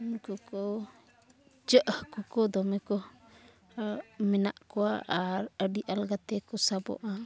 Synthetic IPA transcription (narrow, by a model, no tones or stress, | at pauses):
nkɔkɔ | d͡ʒəʔhkɔkɔd̪ɔmɛkɔ | mɛna̰ʔkɔaʔːɾəɖiʔalɡat̪ɛkɔsabɔ̰ʔa